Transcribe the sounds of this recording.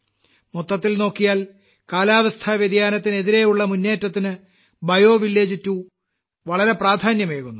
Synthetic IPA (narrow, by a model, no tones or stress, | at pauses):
mot̪ːɐt̪ːilno̞ːkːijaːl | kaːlaːʋɐst̪ʰaːʋjed̪jaːnɐt̪ːine̞ðiɾe̞juɭːɐmunːe̞ːtːɐt̪ːinɨ | bɐjo̞ːʋilːe̞ːd͡ʑitːu | ʋɐɭɐɾe̞praːd̪ʱaːnjɐmeːɣunːu